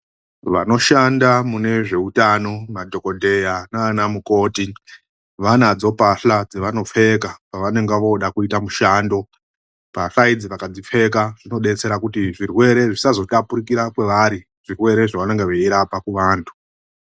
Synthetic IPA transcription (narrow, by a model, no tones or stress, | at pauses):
ʋa̰no̞ʃandamune̞ʐe̞utano̞madʱo̞ko̞dʱe̞janaːnamuko̞ːti | ʋanad͡zo̞paɬad͡zeʋano̞p͡fe̞kapaʋane̞ŋɡeʋo̞ɗakuitamuʃaːndo̞ | paɬaid͡ziʋakad͡zife̞kaʐ̥ino̞ɗe̞t͡se̞ɾakutiʐirwe̞ɾe̞ʐisazo̞tapuɾikiɾakwe̞ʋaɾi | ʐ̥irwe̞ɾe̞ʐaʋane̞ŋɡeʋeiɾapakuʋaːntʰu̥